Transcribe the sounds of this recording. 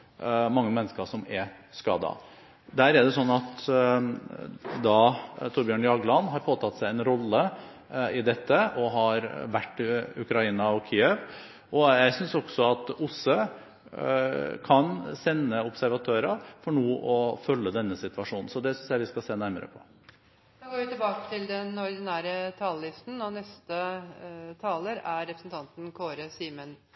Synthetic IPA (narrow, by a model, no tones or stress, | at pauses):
mɑŋːəmɛnːəskəʂɔmɛskɑ̰ːd̪ɑ̰ | d̪æːɾɛɖ̪ɛsɔnːɑt̪ | d̪ɑt̪ʰʊɾbjøːɳjɑɡlɑnɦɑɾpʰoːt̪ʰɑt̪sæɪɛnɾɔlːə | ɪd̪ɛt̪ːəʔɔɦɑɾʋæʈːɪʉkɾɑiːnɑɔkʰɪːɛʋ | ɔjæɪsʏnsɔɡ̥sɔɑt̪ʊsə | kʰɑnsɛnːəʊpsæɾʋɑt̪ʰøːɾɑfɔɳuːʔɔfœlːəd̪ɛnːəsɪt̪ʋɑʂuːnn̩sɔd̪ɛsʏnsjæɪʋɪskɑseːnæɾmə̰ɾə̰pʰɔ̥ | oːɡoːɾʋɪt̪ɪbɑːkə̥t̪ʰɪld̪ɛnɔɾd̪ɪnæːɾət̪ʰɑːllɪst̪n̩ɔnɛst̪ə | t̪ʰɑːləɾæɾɾɛpɾəsn̩t̪ʰɑnt̪n̩kʰoːɾəsiːmən